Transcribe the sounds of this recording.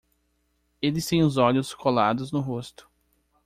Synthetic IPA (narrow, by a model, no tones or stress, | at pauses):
elɪst̪ẽj̃ʊzɔʎʊskʰolad̪ʊznʊɦost̪ʊ̥